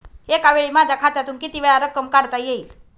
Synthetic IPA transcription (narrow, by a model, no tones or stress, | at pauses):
ekaʋeɭiːmad͡zʱakʰat̪at̪uːnkit̪iʋeɭaɾəkəmkaɽt̪ajeiːl